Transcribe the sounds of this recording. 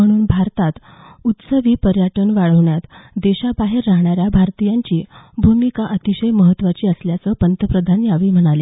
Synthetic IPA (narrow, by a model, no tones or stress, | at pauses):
m̤əɽ̃uːnbʱaɾt̪at̪ | ut̪səʋiːpəɾjəʈənʋaɭəʋɳjat̪d̪eɕabaɦeɾːaɦɳ̃aɾjabʱaɾt̪ijaɲt͡ɕiːbʱumikaʔət̪iɕəjməɦət̪ːʋat͡ɕiːəsljat͡səːpənt̪əpɾəd̪ʱanjaʋiːm̤əɽ̃ale